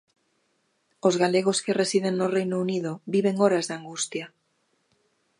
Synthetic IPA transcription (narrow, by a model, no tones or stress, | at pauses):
ozɣaleɣ̞oskeresið̞eŋnorejnouniðobiβ̞eŋoɾazðaŋɡust̪ja